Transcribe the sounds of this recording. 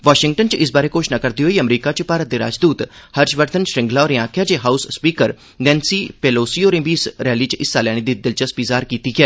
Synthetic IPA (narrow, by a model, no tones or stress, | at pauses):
ʋaːʃɪ̃ŋɡ̚ʈənt͡ʃɪs̬baːɾeːkoːʃnaːkəɾd̪iːɦoːiəmɾiːkaːt͡ʃpaːɾət̪̚d̪eːɾa̰ːd͡ʒd̪uːt̪həɾd͡ʒʋəɾd̪ənʃɾɪ̃ŋɡlaːɔːɾiãːkʰjaːd͡ʒeːɦaːusːpiːkəɾ | nɛ̃ːnsiːpeːloːsiːoːɾɪ̃biːsɾɛːliːt͡ʃɪsːaːlɛːɽ̃id̪iːd̪ɪlt͡ʃəsbiːzaːɾkiːt̪iːɡɪɛː